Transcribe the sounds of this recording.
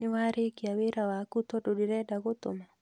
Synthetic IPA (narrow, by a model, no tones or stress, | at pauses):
nɪwaɾɪkɪaweɾawakut̪ɔdodiɾɛdaɡʊt̪ʊ̰ma